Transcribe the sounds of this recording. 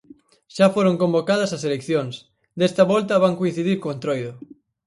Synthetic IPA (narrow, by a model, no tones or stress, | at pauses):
ʃafoɾoŋkõmbokaðɐsɐselekθjoŋs | d̪ɛst̪ɐβɔlt̪ɐβaŋkoin̟θiðiɾkoent̪ɾojðʊ